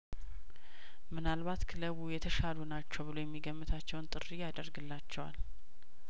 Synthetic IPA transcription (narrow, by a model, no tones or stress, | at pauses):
mɨnalβat̪kʰɨləβujɛt̪ʰəʃalunat͡ʃːɛwbɨlojɛmːiɡəmːɨt̪ʰat͡ʃːɛwnt̪ʼɨrːijad̪əɾɡɨlːat͡ʃːɛwa̰l